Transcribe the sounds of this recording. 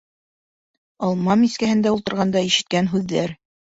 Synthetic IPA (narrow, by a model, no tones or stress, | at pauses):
ɑlˠmɑmiskæhɘ̆nd̪æulˠt̪ɤ̆ɾʁɑnd̪ɑiʃɘ̆t̪̚kænɦʉðːæɾ